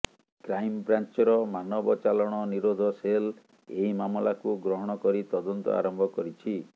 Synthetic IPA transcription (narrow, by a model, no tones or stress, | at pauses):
kɾajmbɾant͡ʃɔɾɔmanɔbɔt͡ʃalɔɽ̃ɔniɾod̪ʱɔsel | eimamɔlakuɡɾɔɦɔɽ̃ɔkɔɾit̪ɔd̪ɔnt̪ɔ̰a̰ɾɔmbʱɔkɔɾit͡ʃʰi